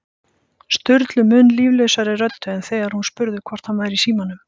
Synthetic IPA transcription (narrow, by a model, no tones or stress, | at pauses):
st̪ʏɾt̪lʏmʏnliːvlœɥsaɾɪrœt̪ːʏɛnθɛːɣaɾhunspʏɾðʏkʰvɔr̥t̪hanvaːjɾisiːmanʏm